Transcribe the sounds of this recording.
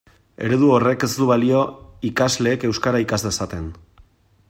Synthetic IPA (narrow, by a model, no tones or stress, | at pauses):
e̞̰ɾe̞ðuo̞re̞ke̞st̪uβalio̞ikazle̞ːke̞wskaɾaikazlesat̪e̞n